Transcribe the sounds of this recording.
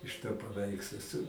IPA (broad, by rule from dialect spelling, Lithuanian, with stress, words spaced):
ɪʃ toː pɐˈʋʲɛɪkslˠoː sʊ